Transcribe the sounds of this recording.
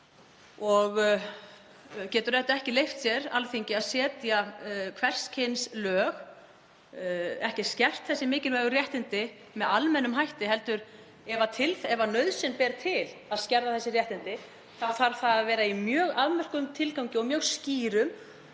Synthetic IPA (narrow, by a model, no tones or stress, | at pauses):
ɔɣ | cɛːt̪ʏɾɛt̪aɛhcɪlejft̪sjɛɾa̰lθiɲcɪaðsɛːt̪jakʰvɛr̥scʰenslœːɣ | ɛhcɪscɛr̥t̪θɛsːɪmɪːcɪlvɛːɣʏɾjɛht̪ɪnt̪ɪ | mɛðalmɛnːʏmɦajht̪ɪɦɛl̪t̪ʏɾ | ɛvat̪ʰɪlfɛvanœɥðsɪnpɛːɾt̪ʰɪlaðscɛɾðaθɛsːɪrjɛht̪ɪnt̪ɪ | θawfaɾ̥θaðaðvɛːɾaimjœːɣaðmɛr̥kʏmt̪ʰɪlkawɲcɪɔɣmjœːɣsciːɾʏm